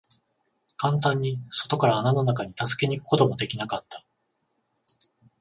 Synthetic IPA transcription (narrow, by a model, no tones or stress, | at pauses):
kãnt̪̬ãɲ̟ːiso̞t̪o̞kaɾaːnanonakaɲ̟it̪asɨ̥ke̞ɲ̟ikɯ̟̥ko̞t̪o̞mo̞d̪e̞kʲinakat̪ːḁ